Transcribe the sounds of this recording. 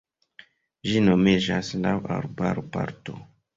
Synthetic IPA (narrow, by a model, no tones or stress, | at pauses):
ʒino̞med͡ʒaslawa̰ɾba̰ɾopa̰ɾto̰